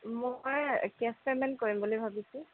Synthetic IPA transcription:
mojkɛspɛmɛnkoɹimbolojbʱabisũ

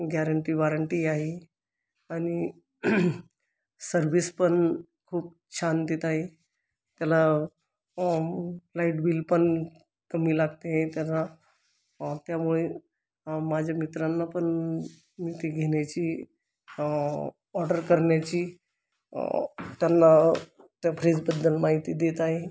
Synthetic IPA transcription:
ɡɛɾəɳʈiːʋaɾəɳʈiaɦi | aɽ̃i | səɾʋispəɳ | kʰuːp̚ | t͡ɕʰand̪it̪aɦe | t̪jala | laiʈbiːlpəɳ | kəmiːlaɡt̪eɦẽt̪jala | t̪jamuɭe | mad͡ʑʱjamit̪ɾanːapəɳ | mit̪iɡʱeɳjat͡ɕiː | ɔɾɖəɾkəɾɳjat͡ɕiː | t̪janːa | t̪japʰɾed͡zbəd̪ːəlmaɦit̪id̪et̪aɦe

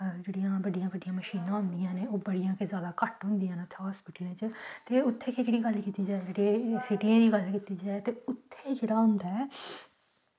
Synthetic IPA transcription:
d͡ʒeːɽijãːbəɖijãːbəɖijãːməʃiːnãːɦʊ̃nd̪ijãːneːoːbəɽijãːkezjaːd̪aːkəʈɦʊ̃nd̪ijãːnʊt̪ʰːeːɦɔːspɪːʈəlẽːt͡ʃt̪eːʊt̪ʰːeːked͡ʒeːɽiːɡəlkiːt̪iːd͡ʒaːed͡ʒeːɽeːsɪʈiãːd̪iːɡəlkiːt̪iːd͡ʒaːɛt̪eːʊt̪ʰːeːd͡ʒeːɽaːɦʊnd̪aɛː

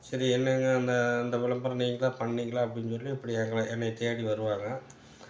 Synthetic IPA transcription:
sɐɾiɛnːɐŋɡɐːnd̪ɐːnd̪ɐʋɪlɐmbɐɾɐniːŋɡɐlãːpɐɳːiːŋɡɐɭaːɐpːɐɽɪnsɔlːiɛpːɐɽiɛŋɡɐɭɐɛnːɐt̪ejaːɽiʋɐɾɯʋaːŋɡɐ

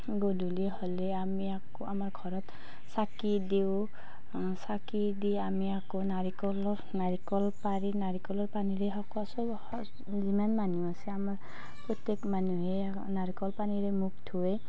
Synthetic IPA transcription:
ɡodʱuliholeamiakoamaɹɡʱɔɾɔt̪ | sakid̪ew̃ | saki | d̪iamiakonaɾikɔl | naɾikɔlpaɾinaɾikɔlɔɹpaniɾeɦɔkɔsɔb | zimanmanuwasɛamaɹ | pɔt̪jekmanuɦe | naɾikɔlpaniɾemuk̚t̪ʰue

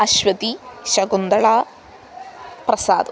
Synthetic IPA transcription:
ɐɕʋɐt̪iɕɐɡund̪ɐɭaː | prɐsaːd̪u

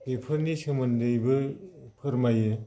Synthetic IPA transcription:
pepʰɯɾnisɯmɯndɯjbɯpʰɯɾmajɯ

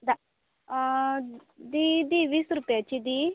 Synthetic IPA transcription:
d̪a | d̪id̪iʋiːsɾupjat͡ʃid̪i

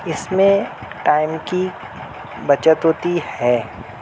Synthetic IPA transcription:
ɪsmẽʈaːɪmki | bɐt͡ʃət̪ɦoːt̪ihɛː

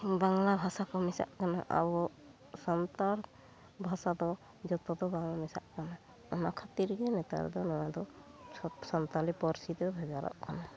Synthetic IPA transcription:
baŋlabʱasakʰɔmisa̰ʔkana̰ʔa̰bɔ | sant̪aɾ | bʱasad̪ɔ | d͡ʒɔt̪ɔd̪ɔbaŋamisa̰ʔkana | ɔnakʰat̪iɾɡɛnɛt̪a̰ɾ̰d̪ɔnɔwad̪ɔ | sɔnt̪alipɔɾsid̪ɔbʱɛɡaɾʔa̰ʔkʰana

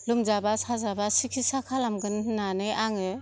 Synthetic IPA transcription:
lumzabasazabasikʰisakʰalamɡɯnhɯnanɯjaŋɯ

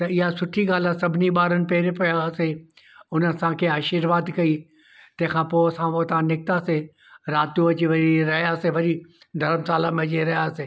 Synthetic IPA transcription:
t̪ɐɪɦasʊʈʰiɡaːlasɐbʱɪniɓaːɾənɪ̆peːɾepɐjase | ʊnəsãkʰeaːʃɪɾʋaːd̪kɐiː | t̪ɐ̃ɦɪ̃kʰãːpoːɐsãʋoːt̪ãnɪk̚t̪aːse | ɾaːt̪ũʋɐt͡ʃiʋɐɾiɾɐɦjaːseʋɐɾi | ɖ̪ʱɐɾmsaːlãmẽd͡ʒeɾɐɦjaːseː

